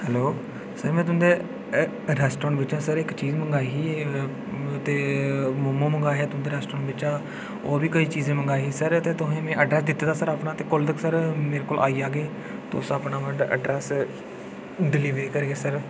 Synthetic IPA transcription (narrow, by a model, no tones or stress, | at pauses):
hɛːloː | səɾmɛ̃ːt̪ʊ̃d̪eː | ɾɛːsʈɔːɳɖʋɪt͡ʃãːsəɾɪkt͡ʃiːzməŋɡaːiːɦiː | t̪eːmʊmõːməŋɡaːɦɛːt̪ʊ̃d̪eːɾɛːsʈɾɔ̃ːɳʋɪt͡ʃãː | oːbiːkəiːt͡ʃiːzẽːməŋɡaːiɦiːsəɾt̪eːt̪ʊɦẽːmɛ̃ːʔəɖɾɛːs̬d̪ɪt̪ːeːd̪aːsəɾaːpnãːt̪eːkʊld̪əksəɾmeːɾeːkoːlʔaːiːaːɡeː | t̪o̰saːpnãːmə̃ʈə̰ɖɾɛːs | ɖɪliːʋɾeːkəɾːɡeːsəɾ